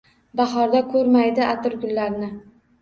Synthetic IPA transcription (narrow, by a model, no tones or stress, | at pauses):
bɑχɒɾd̪akʰɵɾmajd̪ɪʔat̪ɪɾɡʲʊnlaɾnɪ